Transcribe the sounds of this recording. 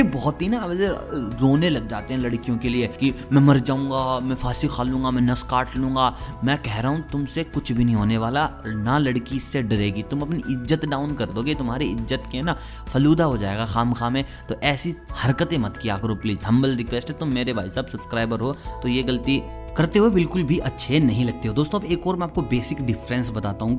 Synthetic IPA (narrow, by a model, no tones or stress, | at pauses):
jebɔːɔt̪ɦinaɐbəzezoːnẽlɐɡ̚d͡ʒaːt̪ẽɦɛ̃lɐɽkijõkeliekimɛ̃mɐɾd͡ʒaːũːŋɡamɛ̃fʰaːsixʰaːlũːŋɡamɛ̃nɐskaːɾʈlũːŋɡaːmɛ̃ːkɛɦɾaɦũt̪ʊmsekʊt͡ʃʰbʱinɐɦĩɦoːneʋaːlanalɐɽkiɪsːeɖɐɾeːɡit̪ʊmɐpniʔɪzːət̪ɖaːʊnkɐɾd̪oːɡet̪ʊmɦaːɾeɪzːət̪kena | fɐluːd̪aɦod͡ʒaːeːɡaxaːmkaːmẽ | t̪oʔɛːsihɐɾkət̪ẽmɐt̪kijakɐɾopliːzɦɐ̃mbəlɾɪkʋeːsʈɦet̪ʊmːeːɾebʱa̰ːjsɐbsɐbskɾaːɪbəɾɦoːt̪ojeɡɐlt̪i | kɐɾt̪eɦuebɪlkʊlbʱiʔɐtːʃʰenɐɦĩlɐɡ̚t̪eɦod̪oːst̪õɐbeːkɔːɾmɛ̃aːp̚kobeːsɪkɖɪfɾɛ̃nsbɐt̪aːt̪aɦũː